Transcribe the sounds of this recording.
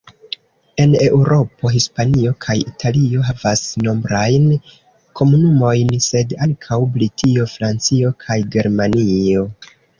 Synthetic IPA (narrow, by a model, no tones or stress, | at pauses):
e̞ne̞uɾo̞po̞ɦispanio̞kʰajitʰalio̞ɦavasno̞mbɾajn | kʰo̞munumo̞jnse̞daŋkʰawblitʰio̞fɾant͡sio̞kʰajɡe̞ɾmanio̞